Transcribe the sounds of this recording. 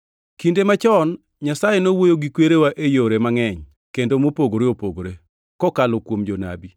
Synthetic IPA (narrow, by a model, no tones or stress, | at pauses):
kindemat͡ʃɔn | ɲasajenowojoɡikweɾewaʔejoɾemaŋɛɲ | kendomopoɡoɾeopoɡoɾe | kɔkalɔkwomd͡ʒona̰bi